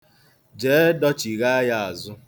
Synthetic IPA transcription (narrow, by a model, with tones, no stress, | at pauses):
d͡ʒeː˨˦dɔ˦t͡ʃi˨ɣa˦a˦ja˦a˨zʊ˦